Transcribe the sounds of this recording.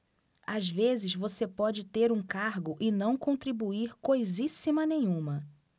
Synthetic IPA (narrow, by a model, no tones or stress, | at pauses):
azvezɪzvosepɔd͡ʒɪt̪eɾũkaɾɡʊʔɪnɐ̃w̃kõnt̪ɾibuiɾkojzisimɐnẽj̃ũmɐ